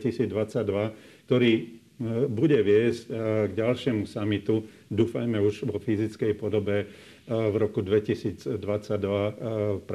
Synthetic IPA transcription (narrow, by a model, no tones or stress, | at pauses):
isiːd͡zd̪ʋat͡sːaɟd̪ʋak̚t̪ɔɾiː | buɟɛʋɪɛzcɡɟalʃɪɛmusamit̪u | d̪uːfajmɛuʒʋɔfizit͡skɛjpɔd̪ɔbɛ | vɾɔkud̪ʋɛcisiːd͡zd̪ʋat͡saɟd̪ʋap